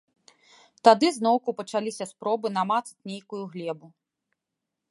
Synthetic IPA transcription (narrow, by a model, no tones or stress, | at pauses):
t̪ad̪ɨznɔwkupɐt͡ʂalʲisʲɐspɾɔbɨn̪amat̪st͡sʲnʲejkujuɣlʲɛbu